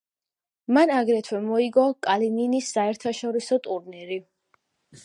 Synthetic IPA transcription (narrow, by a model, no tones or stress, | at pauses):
manaɡɾɛt̪ʰwɛmɔiɡɔkʼalininisːaɛɾt̪ʰaʃɔɾisɔt̪ʼuɾniɾi